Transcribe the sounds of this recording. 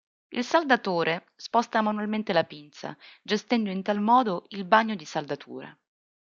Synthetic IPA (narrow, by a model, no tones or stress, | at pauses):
ilsald̪at̪oːɾʔe | spɔst̪amanualment̪elapint̪sa̰d͡ʒest̪ɛnd̪oint̪almɔːd̪oilbaɲːod̪isald̪at̪ʰṵːɾa̰